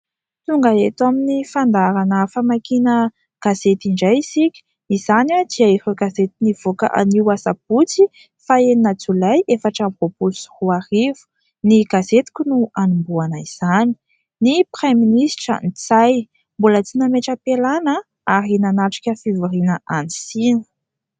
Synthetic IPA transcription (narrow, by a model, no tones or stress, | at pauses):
t̪uŋɡaet̪waminifand̪aɾanəfamakinə | ɡ̥az̥et̪iɳɖ͡ʐajiz̥ikʲi̥ | iz̥anad̪iaifaɡazet̪inivokə̰ʔa̰niwasap̚ut͡si | faeninat͡sulajʔefaʈ͡ʂampropulusi̥huarivu̥ | niɡ̥azet̪i̥kʲunuanimbuanəiz̥ani̥ | nipreminisʈ͡ʂə̰nit͡saj | mbulət͡sinameʈ͡ʂəpelanə | aɾinanaʈ͡ʂi̥kʲəfivuɾinəʔanisinə̥